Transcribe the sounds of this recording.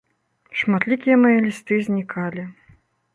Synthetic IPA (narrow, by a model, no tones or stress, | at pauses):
ʂmat̪lʲikʲijɐmɐjɐlʲist̪ɨzʲnʲikʰalʲi